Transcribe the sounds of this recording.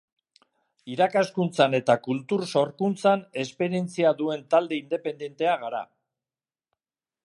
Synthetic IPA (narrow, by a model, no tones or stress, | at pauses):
iɾakaskunt͡sane̞t̪akult̪uɾso̞ɾkunt͡sane̞spe̞ɾie̞nt͡siaðue̞nt̪ald̪e̞ind̪e̞pe̞nd̪ent̪e̞aɣ̞aɾa̰